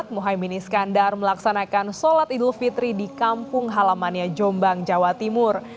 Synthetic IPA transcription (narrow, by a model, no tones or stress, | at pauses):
t̪̚moɦajminiskandarməlaksanakansɔlat̪idlufit̪ɾidikampʊŋɦalamanɲad͡ʒɔmbaŋd͡ʒawat̪imʊr